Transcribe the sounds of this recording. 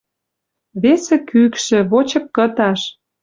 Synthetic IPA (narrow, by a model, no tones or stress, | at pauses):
βesĕkykʃĕβot͡ɕɤ̆kkət̪ɑʃ